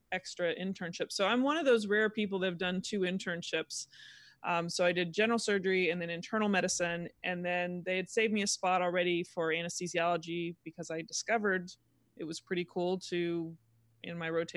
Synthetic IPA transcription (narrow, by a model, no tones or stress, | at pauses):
ɛkstɹ̥ɨʔɪ̃ntʰɜ̃˞nʃɪpsoʊãɪ̃mwʌ̃ñʌvðoʊzɹɛɹpʰip̬l̩ˠðɨɨvdʌ̃ntʰʉɨ̃ntʰɜ̃˞nʃɪpsʔsoʊaɪdɨd̚d͡ʒɛ̃nə˞l̩ˠsɜ˞d͡ʒə˞iɨ̃nðɨ̃nɨ̃ntʰɜ̃˞nl̩ˠmɛɾɨsɨ̃nʔɨ̃nðɨ̃nðeɪɨd̥seɪvmiɨspɑɾl̩ˠɹɛɾifə˞æñɨstiziɑlˠəd͡ʒibɨkʰʌzaɪdɨskʌvə˞ɾ | ʔɨt̚wʌz̥pʰɹ̥ɪɾikʰulˠtʰʉ | ɪ̰̃nmaɪɹoʊtʰ